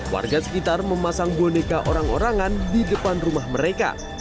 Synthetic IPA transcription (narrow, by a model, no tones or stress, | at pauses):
wa̰rɡasə̥kit̪arməmasaŋbonekaʔoɾaŋoɾaŋandidəpanrumahməɾeka̰